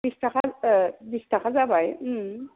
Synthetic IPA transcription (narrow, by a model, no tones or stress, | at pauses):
bisʈ̪akʰad̪isʈ̪akad͡zabaj